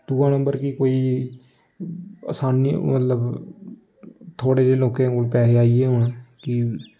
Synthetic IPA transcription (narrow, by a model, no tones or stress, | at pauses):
d̪̥uːãːnəmbəɾkikoːiː | ə̰saːnḭmət̪ləb | t̪ʰoːɽeːd̪eːloːkẽːkoːlpɛːseːaːiɛːɦʊɳ̃kɪ